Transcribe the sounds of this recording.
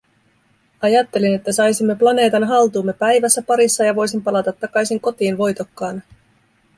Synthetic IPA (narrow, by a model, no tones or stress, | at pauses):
ɑjɑt̪ːe̞line̞t̪ːæsɑjsimːe̞plɑne̞ːt̪ɑnɦɑlt̪uːmːe̞pæjʋæsːæpɑɾisːɑjɑʋo̞jsimpɑlɑt̪ɑt̪ːɑkɑjsiŋko̞t̪iːnʋo̞jt̪o̞kːɑːn